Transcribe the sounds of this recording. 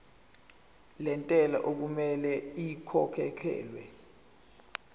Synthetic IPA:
lɛntʼɛla̰ʔok̬umɛlɛikʰɔkʰɛkʰɛ̰ːlwɛ

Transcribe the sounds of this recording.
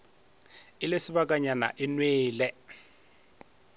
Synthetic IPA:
ɪlesɪbakʼaɲana̰ʔɪnweːlɛ

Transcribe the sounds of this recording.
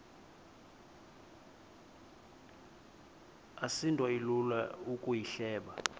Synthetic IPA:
asintʼɔilulaukʼujiɬɛːɓa

